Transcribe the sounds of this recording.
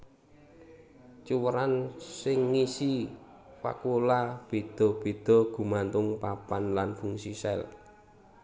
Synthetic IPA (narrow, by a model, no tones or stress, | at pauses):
t͡ʃuwəɾansɪŋːisi | wa̰kulab̥e̤d̪̥ɔ̤b̥e̤d̪̥ɔ̤ɡ̥ṳmant̪ʊŋpapanlanfuŋsisɛ̰l